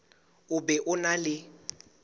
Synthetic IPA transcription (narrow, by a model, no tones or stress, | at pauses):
ʊbɛʔʊnalɪ